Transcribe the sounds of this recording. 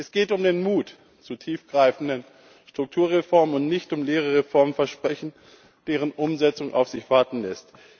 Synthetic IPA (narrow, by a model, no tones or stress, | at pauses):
ʔɛsɡ̥eːtʊmdeːnmuːt | t͡suːtʰiːfɡ̥ʁaɪfn̩dən | ʃtʁ̥ʊk̚tʰuːɐʁefɔɐmənʊntnɪçtʊmleːʁəʁefɔɐmənfɛɐʃpʁ̥ɛçn̩ | d̥eːʁ̞ənʔʊmzɛt͡sʊŋʔa̰ʊfz̥ɪçv̥aɐtn̩lɛst